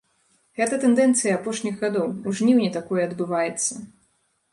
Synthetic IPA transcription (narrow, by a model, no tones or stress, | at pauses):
ɣɛt̪ɐt̪ɛnd̪ɛnt̪sɨjɐapɔʂnʲiɣɣad̪ɔwuʐnʲiwnʲit̪akɔjɛɐd̪bɨvajɛt̪sːɐ